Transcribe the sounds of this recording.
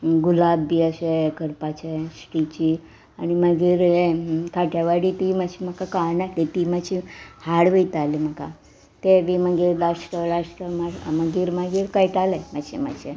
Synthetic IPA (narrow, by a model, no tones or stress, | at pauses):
ɡulabːiːaɕekəɾpat͡ɕesʈit͡ɕiː | animəɡiːɾekaʈʰjaʋaɽiːt̪iməd͡ʑʰiməkakanakʰlit̪iməd͡ʑihaɽʋəjt̪aliməka | t̪eʋiməɡiːɾlaʂʈəlasʈəmaməɡiːɾmaɡiːɾkəjʈalemaɕḛma̰ɕe